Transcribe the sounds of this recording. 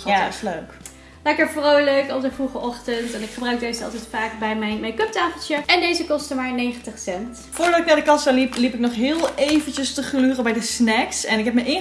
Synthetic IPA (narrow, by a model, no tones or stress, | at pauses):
atɪsløɥk | lɛkəɹfrowløɥkɔp̚dəvruχəʔɔχtəntɛnɪkχəbrœɥk̚dejzəɑ̰lˠtɛjtfaːkbɛjmɛjnmɛjnkɵp̚taːfəl̩ˠtjəɛndejzəkɔstəmaːɹnejχəntəχsɛnt | fʊːɹdɑtɪknaːdəkɑsəliplipɪk̚nɔχɦɪːlˠejvənt͡ʃəstəχlyːrəbɛjdəsnɛksɛnɪkɦɛp̚məʔɪn